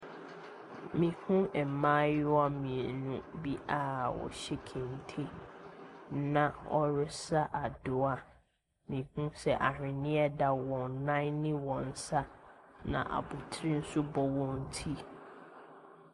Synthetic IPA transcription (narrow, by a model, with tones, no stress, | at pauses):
mĩ˨hũ˦ɛ˨mã˦jɪ˦wa˦mĩ˨e˨nũ˦bi˦a˦wɔ̰˨ɕɛ˦kʰẽ˨n˨tʰe˦ | nã˨ɔ˦ɾɪ˦sa˦ʔa˨dʊ˨a˦ | mĩ˨hũ˦sɛ˨ʔa˨ɾɪ̃˨nɪ̃˦ɛ˦da˨wɔ̃˨nnã˦nɪ̃˦wɔ̃˨n̩˨sa˦nã̰˨ʔa̰˨bʊ˨tʰɾi˦n̩˦sʊ˦bɔ˦wɔ̃˨n˨tʰi˦